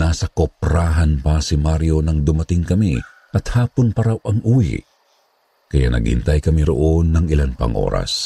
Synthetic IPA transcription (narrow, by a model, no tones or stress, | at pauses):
naːsɐkopɾaːɦɐnpɐsɪmaɾjo̞nɐŋd̪ʊmɐt̪ɪŋkɐmi | ʔɐt̪haːponpɐɾawʔɐŋʔuːjɪ̰ | kɐja̰nɐ̰ɡ̚hɪ̰nt̪ajkɐmiɾo̰ʔo̞nːɐŋɪlanpɐ̰ŋʔo̞̰ːɾɐ̰s